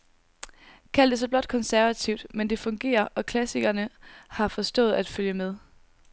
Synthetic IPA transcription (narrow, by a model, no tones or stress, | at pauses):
kʰæl̰d̥es̬ɒ̽b̥lɒ̽d̥̚kʰɒ̽nsæɐʋæt͡sʰiʊ̰d̥mend̥e̝fɔ̽ŋɡ̥e̝̰ːɐʔɒ̽kʰlæsiɡ̥ɐnəhɑ̈fɒ̽sd̥ɔ̰̽ːð̞̩ˠæd̥føljəmeð̞ˠ